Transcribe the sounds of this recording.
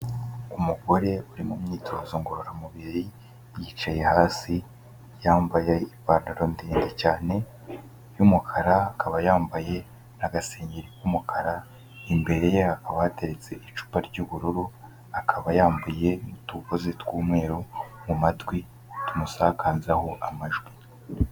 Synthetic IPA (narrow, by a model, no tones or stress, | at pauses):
umuɡo̞ɾe̞uɾimumɲiːtʰoːzoŋɡoɾoɾamuβiɾi | jiːt͡ʃaje̞haːsi | jaːmbajeipaːnaɾo̞ndiːndecaːne̞ | jumukʰaɾaːkʰaβajaːmbaje̞ | naɡase̞ːɲɟeɾikumukʰaɾa | imbe̞ɾejehakaβahate̞ɾet͡se̞ʔit͡ʃu̥paɾɟuːβuɾuɾu | akʰaβajaːmbuje̞mutukozetwuːmŋe̞ːɾomumatɡwi | tumusaːkʰaːzaho̞ʔamaʒɡwi